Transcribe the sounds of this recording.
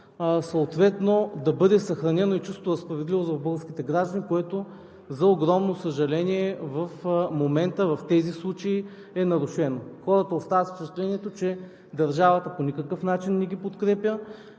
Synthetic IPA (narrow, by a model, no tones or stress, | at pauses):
sət̪vɛt̪nod̪ɐbɤd̪ɛsɐxɾɐnɛnoit͡ʃust̪oɾɐspɾɐvɛd̪livozvɐvbɤlɡˠəɾsk̟ʲit̪ɛɡɾaʒd̪ɐnikoɛt̪o | zɐoɡɾɔmnosəʒɐlɛniɛvɐfmomɛnt̪əvɐft̪ɛzislˠut͡ʃɐi | ɛnɐɾʊʃɛnoxɔɾɐt̪əost̪avət̪st͡ʃt͡ʃɛt̪lɛnʲiɛt̪ot͡ʃɛ | d̪ɐɾʒavət̪əponʲikəkəfnat͡ʃinːɛɡ̟ʲipot̪kɾɛpʲjə